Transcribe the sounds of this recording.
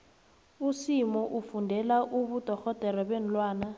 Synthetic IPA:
usimɔʔufundʱɛlaʔuβud̥ʱɔxɔd̥ʱɛɾɔβen̩lwaːna

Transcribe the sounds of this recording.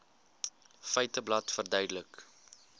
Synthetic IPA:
fɛjtəblɐtfərdœɥdələk

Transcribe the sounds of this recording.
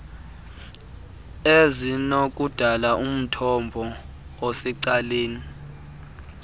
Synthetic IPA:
ezinok̬ʼud̥ʱalaʔum̩tʰɔmbʱɔ | ɔsɛǀaleːni

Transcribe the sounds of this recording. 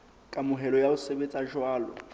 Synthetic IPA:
kʼamʊɦɛlɔjaʊsebet͡sʼaʒwaːlɔ̰

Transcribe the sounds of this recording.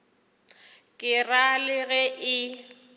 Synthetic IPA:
kʼɪralɪɣɛʔɪ

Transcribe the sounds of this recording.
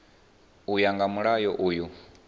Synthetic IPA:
ujaŋɡamuɺajɔʔuːju

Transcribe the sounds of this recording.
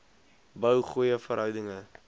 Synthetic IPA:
bəwχujəfəɾɦœwdəŋə

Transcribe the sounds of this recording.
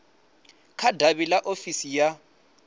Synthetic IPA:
kʰadʱaβilaʔofisija

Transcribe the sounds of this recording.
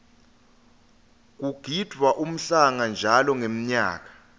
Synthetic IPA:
k̬ʼuɡ̥ʱid̥ʱwaʔum̩ɬaŋand͡ʒʱalɔŋem̩ɲaːk̬ḁ

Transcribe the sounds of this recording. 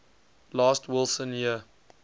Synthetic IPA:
lɑːstʰwɪlˠsə̃njiə

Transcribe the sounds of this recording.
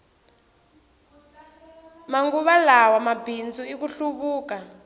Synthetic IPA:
maŋɡuβalawamabind͡zuikuɬuβuːka

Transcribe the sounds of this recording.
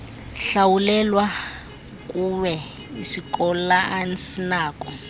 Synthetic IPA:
ɬawulɛlwa | kʼuwɛisikʼɔlaansinaːkʼɔ

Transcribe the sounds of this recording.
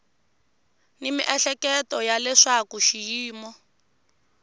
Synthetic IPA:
nimiʔɛɬɛkɛtɔjalɛʂakuʃijiːmɔ

